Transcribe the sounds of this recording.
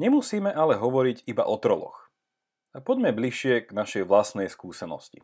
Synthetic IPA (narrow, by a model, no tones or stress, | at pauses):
ɲɛmusiːmɛʔalɛɦɔʋɔɾiɟiba̰ʔɔt̪ɾɔlɔ̰x | apɔɟmɛbliʃɪɛɡ̥naʃɛjʋlasnɛjskuːsɛnɔ̰scḭ